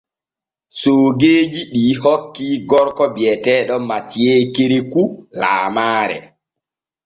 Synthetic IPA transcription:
soːɡeːd͡ʒiɗiːhɔkːiɡɔɾkɔbjɛtɛːɗɔmatjekeɾekula̰ːmaːɾɛ̰

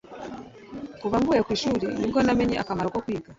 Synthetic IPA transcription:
kuβamɡuɛkwiʃulindiɡɔnamɛɲɛʔa̰kamaɔkɔkwiɡa

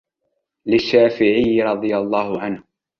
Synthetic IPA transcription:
lɪʃːaːfɪʕɪjːɪɾˤɑd̪ˤɨjalˤːɑːhʊʕanh

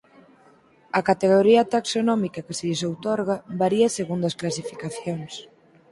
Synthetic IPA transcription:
ɐkat̪eɣoɾiɐt̪aksonɔmikɐkɪseʎesowt̪ɔɾɣɐbaɾiɐseɣund̪oɐsklasifikaθjoŋs

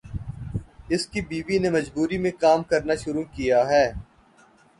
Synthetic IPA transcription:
ɪskibiːʋinemɐd͡ʒbuːɾimẽkaːmkɐɾnaʃʊɾukijaɦɛː

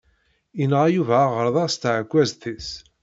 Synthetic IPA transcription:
inʁæjuvæːʁəɾˤðˤɑst̪ʕəkʷːæzθis

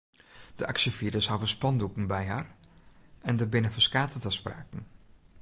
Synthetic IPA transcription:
d̥əʔaksəfiɾəshavəspɑndukn̩bɛjɦar | ɛndəbɪnəfəskaːtətəspra̰ːkn̩

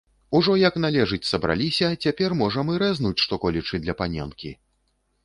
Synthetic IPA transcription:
uʐɔjɐkn̪alʲɛʐɨt͡sʲsɐbɾa̰lʲisʲɐt͡sʲapʲɛrmɔʐɐmɨɾɛznut͡sʲʂt̪ɔkɔlʲit͡ʂɨd̪lʲɐpanʲɛ̰nkʲḭ

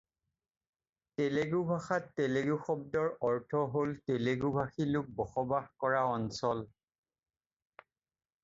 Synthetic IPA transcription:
teleɡubʱaxatːeleɡuxɔb̚dɔɹɔɹtʰɔɦolteleɡubʱaxilʊk̚bɔxɔbaxkɔɹaɔnsɔl

